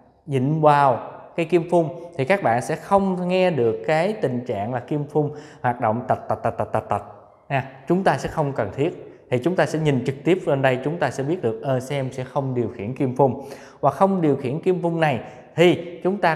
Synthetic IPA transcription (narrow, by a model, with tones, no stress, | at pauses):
zḭ˧˨ŋ̟vaː˨˩wkaː˨˦jki˧mfʊ˧ŋ͡mt̪ʰi˨˩kaː˦˥k̚ɓa̰ː˧˨nsɛ̰˧˥xə˧wŋ͡mŋɛ˧ɗɨ˨˩əkːaː˨˦jt̪ï˨˩ŋ̟t͡ɕa̰ː˧˨ŋlaː˨˩ki˧əmfʊ˧ŋ͡mhwaː˨˩t̚ɗo̰˧˨wŋ͡mt̪ə˨˩t̚t̪ə˨˩t̚t̪ə˨˩t̪̚ːt̚t̪a˨˩t̚t̪ə˨˩t̚ | ɲa˧˩t͡ɕʊ˨˦ŋ͡mt̪aː˧sɛ̰˧˥xə˧wŋ͡mkə˨˩nt̪ʰi˦˥ət̚t̪ʰi˨˩t͡ɕʊ˨˦ŋ͡mt̪aː˧sɛ̰˧˥ɲï˨˩ŋ̟t͡ɕɨ˨˩k̚t̪i˦˥əp̚ɗə˧nɗə˧jt͡ɕʊ˨˦ŋ͡mt̪aː˧sɛ̰˧˥ɓi˦˥t̚ɗɨ˨˩ək̚ʔəː˧˩sɛ˧msɛ̰˧˥xə˧wŋ͡mɗi˨˩əwxḭ˧˩˨ənki˧mfʊ˧ŋ͡m | vwa˨˩k̚xə˧wŋ͡mɗi˨˩əwxḭ˧˨ənki˧əmfʊ˧ŋ͡mna˨˩j | t̪ʰi˨˩t͡ɕʊ˨˦ŋ͡mt̪aː˧